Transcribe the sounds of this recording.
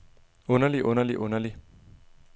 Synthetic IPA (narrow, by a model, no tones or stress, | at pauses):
onaliʔonaliʔonali